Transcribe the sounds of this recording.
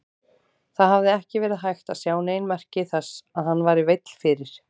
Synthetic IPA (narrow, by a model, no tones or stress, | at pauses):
θaðhavðɪɛhcɪvɛːɾɪðɦajxt̪aðsjaːwneːjnmɛr̥cɪθɛsːaðhanːvaːɾɪvejt̪l̥fɪɾɪɾ̥